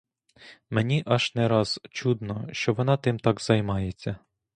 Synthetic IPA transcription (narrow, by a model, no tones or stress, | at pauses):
menʲiʔɑʃnɛɾɑz̥t͡ʃud̪nɔʃt͡ʃɔʋɔnɑt̪ɪmt̪ɑɡz̥ɐjmɑjet͡sʲːɐ